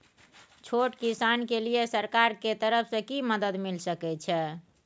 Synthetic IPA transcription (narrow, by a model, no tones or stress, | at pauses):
t͡ʃʰoʈkisankelijesəɾkaɾket̪əɾəpʰsə̃kiməd̪əd̪milsəkɛt͡ʃʰɛ